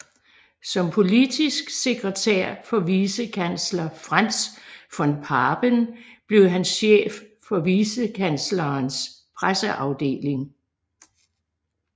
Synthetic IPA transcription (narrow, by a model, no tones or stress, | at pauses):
sɒ̽mpʰo̝lid̥isɡ̥se̝ɡ̥ʁət͡sʰæɐ̰fɒ̽ʋiːsəkʰænslɐfʁan̰sfɒ̽npʰɑːb̥ənb̥le̝ʊɦænsɕḛːfː | ɒ̽ʋiːsəkʰænslɐːns | pʰʁasəʔɑ̈ʊd̥e̝̰ːle̝ŋ